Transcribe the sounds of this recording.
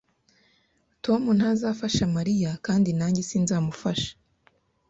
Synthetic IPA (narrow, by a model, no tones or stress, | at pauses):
tʰo̞mun̥hazafaʃamaɾijakaːndinaːɲɟisinzaːmufaʃḁ